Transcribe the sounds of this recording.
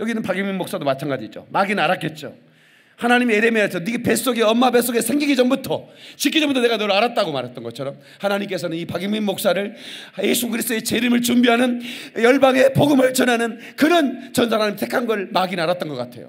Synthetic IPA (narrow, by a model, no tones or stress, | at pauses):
jʌɡinɯnpaɡiŋminːoks͈adomat͡ɕʰanɡad͡ʑid͡ʑo̰maɡinaɾak͈e̞t̚t͡ɕ͈o̰ | hanaɲimieɾemesʰʌniɡepe̞s͈oɡeʌmːabes͈oɡesʰe̞ŋɡiɡid͡ʑʌmbutʰʌt͡ɕik̬ʰːid͡ʑʌmbutʰne̞ɡanʌɾaɾat̚t͈aɡomaɾɦet͈nɡʌt͡ɕʰʌɾʌm | hanaɲimk͈e̞sʰʌnɯnipaɡiŋmimːok̚s͈aɾɯɭje̞sʰuɡɯɾisʰd̪͈oet͡ɕeɾimɯɭt͡ɕumbiɦanɯnjʌɭbaŋe̞poɡɯmɯɭt͡ɕʌnɦanɯn | kɯɾʌnt͡ɕʌnsʰaanaɲimsʰekʰanɡʌɭmaɡinaɾat̚t͈ʌnɡʌk͈atʰe̞̰jo̰